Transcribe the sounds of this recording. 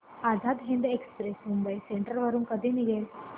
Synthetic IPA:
ad͡zʱad̪ɦẽnd̪ekspɾesmumbəjseɳʈəɾʋəɾuːnkəd̪ʱiːniɡel

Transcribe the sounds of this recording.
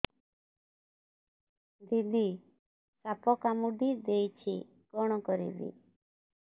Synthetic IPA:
d̪ʱid̪i | sapɔkamuɖid̪ejt͡ʃʰi | kɔɽ̃ɔkɔɾḭbḭ

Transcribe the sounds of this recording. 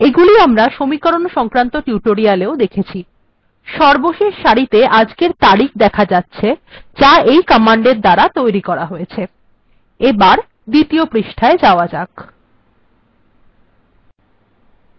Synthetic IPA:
eɡuliamɾaʃomikɔɾonʃɔŋkɾant̪oʈiuʈoɾialeod̪ekʰet͡ɕʰi | ʃɔɾboʃeʃʃaɾit̪eʔad͡ʑkeɾt̪aɽik̚d̪ɛkʰad͡ʑatːɕʰed͡ʑaejkɔmaɳɖeɾd̪aɾat̪ojɾikɔɾaɦojet͡ɕʰe | ebaɾ | d̪it̪iopɾiʃʈʰaed͡ʑaoad͡ʑak

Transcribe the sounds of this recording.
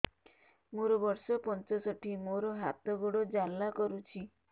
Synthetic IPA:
moɾɔbɔɾsɔpɔnt͡ʃɔsɔʈʰimoɾɔɦat̪ɔɡoɽɔd͡ʒalːakɔɾut͡ʃʰi

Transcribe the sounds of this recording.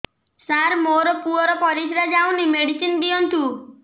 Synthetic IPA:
saɾmoɾɔpuɔɾɔpɔɾisɾad͡ʒawnimeɽisind̪iɔnt̪u

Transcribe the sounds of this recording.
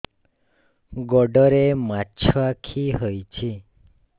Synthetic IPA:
ɡɔɖəɾemat͡ʃʰakʰiɦəjt͡ʃʰi

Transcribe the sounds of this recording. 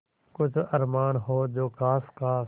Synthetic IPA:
kʊd͡ʑʱɐɾmaːnɦoːd͡ʒoːkaːskaː

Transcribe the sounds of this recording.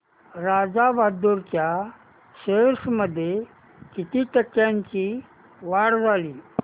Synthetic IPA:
ɾad͡zaʋʱad̪uɾt͡ɕja | ɕesməd̪ʱːje | kit̪iːʈəkːjãɲt͡ɕiː | ʋaɽd͡zʱaliː

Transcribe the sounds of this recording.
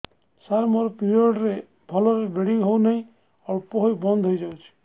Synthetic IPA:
saɾmɔɾpiɾiɔɖɾe | bʱɔlɔɾebeɽiŋɦownʌj̃ | ɔpɔɦojbɔnd̪ʱɦojd͡ʒawt͡ʃʰi̥

